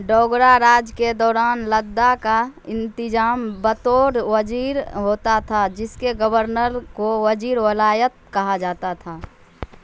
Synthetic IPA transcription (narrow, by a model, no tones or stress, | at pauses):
ɖɔːɡɾaɾaːd͡ʒked̪ɔːɾaːnləd̪ːakaɪ̃nt̪ɪd͡ʒaːmbət̪oːɾwəd͡ʒiːɾɦoːt̪at̪ʰad͡ʒɪskeɡəbəɾnəɾkowəd͡ʒiːɾwəlaːjət̪̚kɐɦad͡ʒaːt̪at̪ʰaː